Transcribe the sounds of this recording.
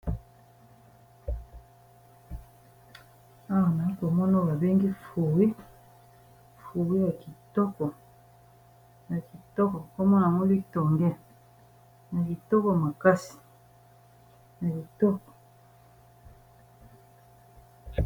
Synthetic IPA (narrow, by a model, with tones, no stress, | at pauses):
a˦wa˨na˨i˦ko˨mɔ˦no˦˨ba˨be˦ŋɡi˦fu˨wi˦ | fu˨wi˦ja˨ki˨tɔ˦kɔ˨ | ja˨ki˨tɔ˦kɔ˨ko˦mɔ˦na˨ŋo˦li˦tɔ˨ŋɡɛ˦ | na˨ki˨tɔ˦kɔ˨ma˨ka˦si̥˨ | na˨ki˨tɔ˦kɔ̥˨